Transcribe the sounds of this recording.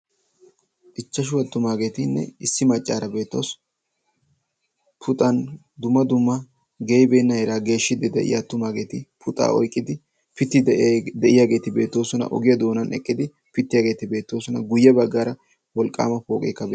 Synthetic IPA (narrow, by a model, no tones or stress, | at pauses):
ʔɪt͡ʃːɐʃ̬ʊwɐt̪ːʊmaːɡe̞ːt̪ɪnːɛ̰ɪsːɪmɐt͡ʃʼːaːɾɐbeːt̪ːo̞̰s | pʰʊt̪ʼɐn | d̪ʊmːɐd̪ʊmːɐ | ɡejbe̞ːnːɐhɛɾaːɡe̞ːʃːɪd̪ɪd̪ɛ̰ʔɪ̰jɐt̪ːʊmaːɡe̞ːt̪ɪpʰʊt̪ʼa̰ːɔ̰jkʼːɪd̪ɪ | pɪt̪ːɪd̪ɛʔɪjaːɡe̞ːt̪ɪbe̞ːt̪ːo̞ːsɔnɐ̰ʔɔ̰ɡɪjɐd̪o̞ːnɐnɛ̰kʼːɪd̪ɪ | pɪt̪ːɪjaːɡe̞ːt̪ɪbe̞ːt̪ːo̞ːsɔnɐɡʊjːɐbɐɡːaːɾɐ | wɔlkʼːa̰ːmɐfo̞ːkʼḛːkːɐb